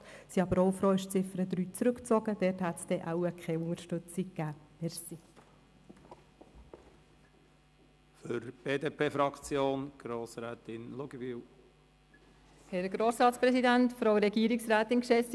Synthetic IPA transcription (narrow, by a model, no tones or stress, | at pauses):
siɑbəɾowfɾoːɪʃt͡sɪfɾəd̪ɾyːt͡sɾɵkt͡sɔɡ̥əd̥̪ɛthæt̪sd̥ɛʔæwəkʰχɛʊŋəɾʃtɵt͡sikːæːʋɛɾsi | føɾb̥eːd̪eːpʰeːfɾɑkt͡sjoːnɡ̥ɾoːsɾɛːt̪ɪnloɡəviw | hɛɾɡɾoːsɾɑːt̪spɾɛsidænt̪fɾowɾɛɡiəɾiksɾæːt̪ɪnkʃɛs